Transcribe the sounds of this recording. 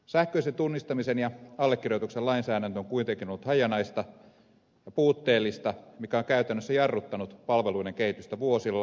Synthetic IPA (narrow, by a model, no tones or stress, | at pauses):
sæhkøisent̪unːist̪ɑmisenjɑɑlːekːirjot̪ukselɑinsæːɾænt̪øoŋkuit̪eŋkinolːut̪hɑjɑnɑist̪ɑ | jɑpuːt̪ːeːlːist̪ɑmikæoŋkæyt̪ænːøsːæjɑrːut̪ːɑnut̪pɑlʋeluineŋkehit̪yst̪æʋuosilːɑ